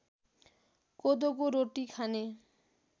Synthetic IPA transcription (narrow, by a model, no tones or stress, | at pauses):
kod̪oɡoɾoʈikʰane